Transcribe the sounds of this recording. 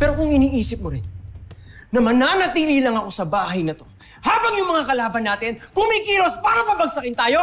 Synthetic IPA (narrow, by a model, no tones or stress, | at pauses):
pɛːɾokʊŋɪniːʔiːsɪp̚moɾɪnː | ɐmɐnanɐt̪iːlilɐŋɐko̞sɐbaːɦɐjnɐt̪o̞ | haːbɐŋjʊŋmɐŋakɐlaːbɐnːaːt̪ɪnkʊmikiːɾospaːɾɐpɐbɐɡ̚sɐkɪnt̪aːjo̞